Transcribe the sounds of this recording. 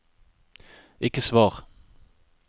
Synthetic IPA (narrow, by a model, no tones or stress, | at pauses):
ʔɪkəsvɑːʁ